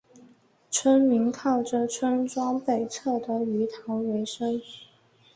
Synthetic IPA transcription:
t͡sʰwə˥nmi˧˥ŋkʰɑ˥˩ʊʈ͡ʂə˨˩ʈ͡ʂʰwə˥nʈ͡ʂwɑ˥ŋpe˨˩ɪt͡sʰɤ˥˩d̪ə˨y˧˥t̪ʰɑ˧˥ʊwe˧˥ɪʂə˥ŋ

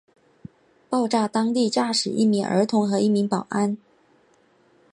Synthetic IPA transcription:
pɑ˥˧ʊʈ͡ʂa˥˩t̪ɑ˥ŋt̪i˥˩˧t͡ɕja˥˩ʂɻ̩˨˩ʔḭ˥˩mi˧˥ŋʔə̰˞˧˥t̪ʰʊ˧˥ŋxɤ˧˥i˥˩mi˧˥ŋpɑ˨˩ʊʔa˥n

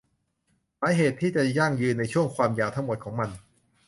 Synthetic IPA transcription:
saː˨˦jɦeː˨˩t̪ʰːiː˥˩t͡ɕa˨˩ja˥˩ŋjɯː˧nːa˧jt͡ɕʰu˥˩əŋkʰwaː˧mjaː˧˩wt̪ʰa˥ŋmo˨˩t̪̚kʰɔː˩˦ŋma˧n

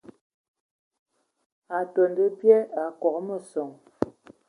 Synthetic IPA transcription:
a˨to˨ndə˦pjɛ˦a˨kɔ˨kmə˨sɔ˨ŋ

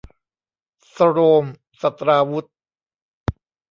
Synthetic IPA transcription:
sa˧ɾoː˧m | sa˨˩t̪ɾaː˧wu˦˥t̪̚

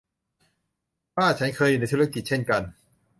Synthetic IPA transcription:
waː˥˩˨t͡ɕʰa˦˥nkʰɤː˧ju˨˩na˧˥jt̪ʰu˦˥˦ki˨˩t͡ɕʰe˥˩nka˧n

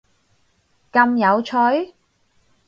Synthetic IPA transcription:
kɐ˧mjɐ˨˧wt͡ʃʰɔ˨˥j

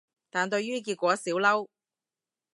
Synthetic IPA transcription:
t̪aː˨nt̪ɵ˧ɥɥyː˥k̬iː˧t̚kʷɔː˨˥siː˨˥wlɐ˥w

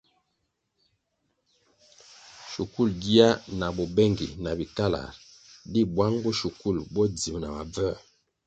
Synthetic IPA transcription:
ʃu˨ku˦˨lɡi˦a˦na˨bɔ˨bɛ˦˨ŋɡḭ˨na˨bi˨ka˦la̰˨ɾ | di˦bwa˦ŋbɔ˦ʃu˨ku˦˨lbɔ˦d͡zi˨m˨na˨ma˨b͡vɛ˦˨

